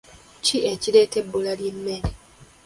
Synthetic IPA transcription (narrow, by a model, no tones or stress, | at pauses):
ciecileːtebːolaljemːeɾe